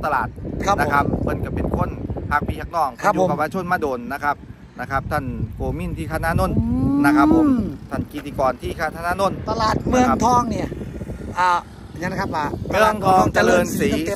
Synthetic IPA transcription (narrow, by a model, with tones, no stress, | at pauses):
t̪a˧la̰ː˨˩t̪̚ʰa˧na˦˥kʰa˦˥p̚ʰːɤ˧˥˩nka˧˩pːe˨˧nkʰo˧˥˨nhʰaː˧˩k̚piː˧hʰaː˧˩knɔː˥˩k̚a˧t͡ɕu˧˨˦pa˧waː˧t͡ɕʰo˧˥˨nmaː˧˩doː˨˧nːa˦˧˥kʰa˦˥p̚ | na˦˧˥kʰa˦˥p̚t̪ʰa˥˩nkoː˧mi˧˥˨nt̪ʰiː˥˩kʰaː˧˩t̪̚naː˧˥˨no˧˥˩nna˦˥kʰa˦˥pʰːo˨˦t̪ʰa˥˩nki˨˧˩t̪iː˧˩kɔː˧nt̪ʰiː˥˩kʰaː˥˩t̪ʰa˧˥˩naː˥˨no˧˥˨nt̪a˧laː˨˩t̪̚mɯ˧˩ə˦˥t̪ʰɔː˧˥˩ŋni˥˩ɐʔaː˧˩˨ | a˨˧˥kʰa˦˥pːaː˧˩mɯ˧˥˩əŋt̪ʰɔː˧˩ŋt͡ɕa˧˨lɤː˧nsiː˨˦